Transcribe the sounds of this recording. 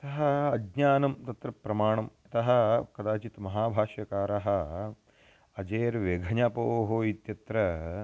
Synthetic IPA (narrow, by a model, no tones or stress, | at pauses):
ɐt̪ɐɦɐɐɡɲaːnɐmt̪ɐt̪ɾɐpɾɐmaːɳɐmɐt̪ɐɦɐ̆kɐd̪aːt͡ʃit̪mɐɦaːbʱaːʃjɐkaːɾɐɦɐ̆ | ɐd͡ʒeːɾʋeɡʱɐɲaːpoːɦoit̪jɐt̪ɾɐ